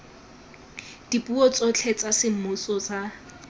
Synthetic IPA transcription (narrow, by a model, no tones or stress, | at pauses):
d̥ipʼuɔt͡sʼɔt͡ɬʰɛt͡sʼasɪm̩mʊsɔt͡sa